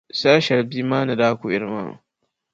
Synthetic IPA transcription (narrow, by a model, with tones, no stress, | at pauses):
saː˦ʃɐ˨ɾbi˦maː˦na˨daː˦kʷu˨ɪ˨ɾma̰˦n̰˨